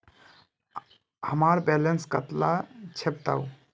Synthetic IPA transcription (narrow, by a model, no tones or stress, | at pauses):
həmaɾbɛlenskət̪lat͡ʃʰep̚t̪a̰u